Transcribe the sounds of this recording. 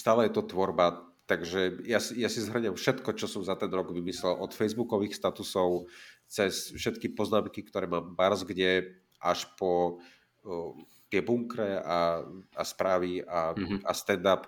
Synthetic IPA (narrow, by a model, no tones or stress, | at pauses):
st̪aːlɛjɛt̪ɔt̪ʋɔɾba | t̪aɡʒɛjasijasizɦr̩ɲɛmfʃɛt̪kɔt͡ʃɔsɔmzat̪ɛnɾɔɡʋimislɛlʔɔt̪fɛjzbukɔʋiːxst̪at̪usɔʊt͡sɛsfʃɛt̪kipɔznaːmkikt̪ɔɾɛːmaːmbaɾzɡɟɛ | ʔaʃpɔ | t̪ɪɛbuŋkɾɛaaspɾaːʋiaast̪ɛnd̪ap